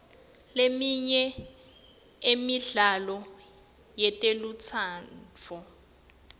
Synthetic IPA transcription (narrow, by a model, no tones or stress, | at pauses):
lemiɲɛ | emiɮalɔ | jɛtʼelut͡sʰaːnt͡fʰɔ